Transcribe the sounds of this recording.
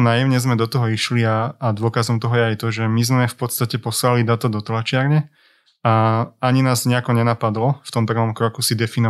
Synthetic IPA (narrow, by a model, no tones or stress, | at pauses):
naːjɛʊɲɛzmɛd̪ɔt̪ɔɦɔiʃliaːd̪ʊɔkazɔmt̪ɔɦɔjɛajt̪ɔʒɛmizmɛfpɔt̪st̪acɛpɔslalid̪aːt̪ad̪ɔt̪lat͡ʃɪaɾɲɛ | aaɲinaːzɲɛakɔɲɛnapad̪lɔft̪ɔmpr̩ʋɔmkɾɔkusid̪ɛfinɔ